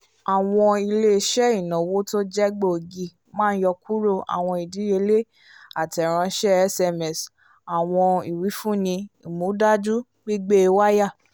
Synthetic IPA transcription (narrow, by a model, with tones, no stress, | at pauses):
a˨w̃ɔ̃˧i˧le˦˧ʃɛ˦i˦˨nã˨wo˦to˦d͡ʒɛ˦ɡ͡bo˦˨ɡi˨ | mãː˦n̩˦jɔ˧kʰu˦ɾo˦˨a̰˨w̃ɔ̃˧i˨di˨˦e˧le˦ | a˨tɛ˨ɾ̃ã˧ʃɛ˦ɛ˦sɛ˧mɛ˨s | a˨w̃ɔ̃˧i˨wi˨˦fũ˦nĩ˧i˨mũ˨˦da˦d͡ʒu˦ | ɡ͡bi˦ɡ͡be˦˧wa˦ja˦˨